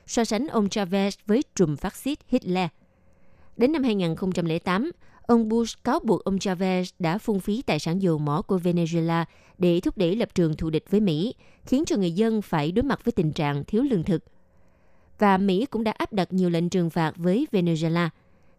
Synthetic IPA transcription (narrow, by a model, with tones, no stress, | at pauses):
sɔ˧sa˨˦ŋ̟ʔə˧wŋ͡mt͡ɕa˧vɛ˧˥svəː˨˦jt͡ɕʊ˨˩ŋ͡mfaː˦˥t̚si˦˥t̚hi˦˥t̚lɛ˧ | ɗe˨˦nːa˧mhaː˧jŋaː˨˩nxə˧wŋ͡mt͡ɕa˧mlɛ˧˩˦t̪aː˨˦mʔə˧wŋ͡mɓu˧skaː˨˦wɓu˨˩ək̚ʔə˧wŋ͡mt͡ɕaː˧vɛ˧sɗa̰ː˧˥fʊ˧ŋ͡mfi˨˦t̪a̰ː˧˨jsaː˧˩nzo˨˩mɔ˧˩ku˧˩əve˧ne˧zu˧e˧laː˧ | ɗe˧˩t̪ʰʊ˦˥k͡p̚ɗe˧˩lə˨˩p̚t͡ɕɨ˨˩əŋt̪ʰṵ˧˨ɗï˨˩k̟̚vəː˨˦jmḭ˧˥ | xi˨˦ənt͡ɕɔ˧ŋɨ˨˩əjzə˧nfaː˧˩jɗo˨˦jma˨˩t̚vəː˨˦jt̪ï˨˩ŋ̟t͡ɕa̰ː˧˨ŋt̪ʰi˨˦əwlɨ˧əŋt̪ʰɨ˨˩k̚ | vaː˨˩mḭ˧˥kʊ̰˧˥ŋ͡mɗa̰ː˧˥ʔaː˦˥p̚ɗa˨˩t̚ɲi˨˩əwlḛ˧˨ŋ̟t͡ɕɨ˨˩əŋfaː˨˩t̚vəː˨˦jve˧ne˧ze˧laː˧